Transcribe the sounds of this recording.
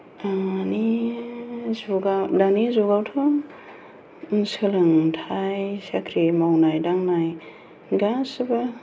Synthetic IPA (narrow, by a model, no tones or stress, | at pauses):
ani | zuɡadanizuɡawtʰɯŋ | sɯlɯŋtʰajsakʰɾimawnajdaŋnaj | ɡasɯba